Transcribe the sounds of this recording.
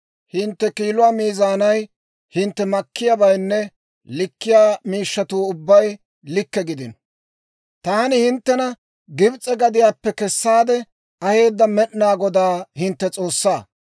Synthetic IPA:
hɪnt̪ːɛkiːlʊwaːmiːzaːnɐj | hɪnt̪ːɛmɐkːɪjabɐjnːɛ | lɪkːɪjaːmiːʃːɐt̪uːʊbːɐj | lɪkːɛɡɪd̪ɪn | t̪aːnɪhɪnt̪ːɛnɐ | ɡɪbt͡sʼːɛɡɐd̪ɪjaːpːɛkɛsːaːd̪ɛ | ɐhe̞ːd̪ːɐmɛɗnaːɡɔd̪aːhɪnt̪ːɛt͡sʼo̞ːsːaː

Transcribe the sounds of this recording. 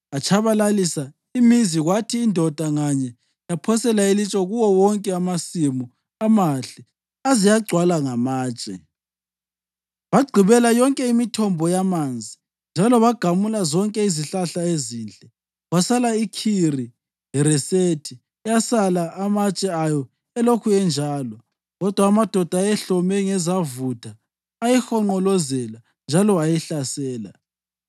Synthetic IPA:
at͡ʃʰaβalalisa | imiziɣwatʰiːndʱɔd̥ʱaŋaɲɛ | japʰɔsɛlailit͡ʃʼɔɣuwɔwɔŋkʼɛamasimu | amaɬɛ | azijaɡ͡ǀʱwalaŋamaːt͡ʃʼɛ̰ | βaɡ͡ǀʱiβɛlajɔŋkʼɛimitʰɔmbʱɔjamand͡zʱi | nd͡ʒʱalɔβaɡ̥ʱamulazɔŋkʼɛiziɬaɬaezint͡ɬʼɛ | wasalaikʰiri | ɦɛɾɛsetʰi | ɛjasalaʔamat͡ʃʼɛajɔ | ɛlokʰuɛnd͡ʒʱaːlɔ | ɣɔd̥ʱwaːmad̥ʱɔd̥ʱajɛɬɔmɛŋɛzavutʰaː | jɛxɔŋ͡ǃɔlɔzɛla | nd͡ʒʱalɔajɛɬasɛːla̰

